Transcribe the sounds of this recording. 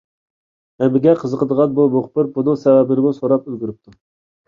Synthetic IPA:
ɛmɪɡʲɛqʰəzəqʰəd̪əʁɑnbumoχpɨɾbunɨ̃sɛvɛbɪɾɪmusoɾɑp̚ylɡʲyɾyp̚t̪ʰu

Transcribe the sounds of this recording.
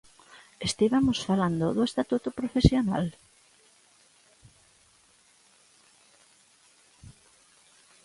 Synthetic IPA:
est̪iβamosfaland̪oðʊest̪at̪ut̪opɾofesjona̰l

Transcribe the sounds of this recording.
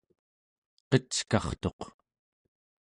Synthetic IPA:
qʌt͡skɑχt̪o̞q

